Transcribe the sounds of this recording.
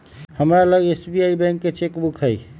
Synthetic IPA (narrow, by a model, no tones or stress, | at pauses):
həmɾaləɡesbiaibɛ̃ŋkːet͡ʃekbukʰɦəj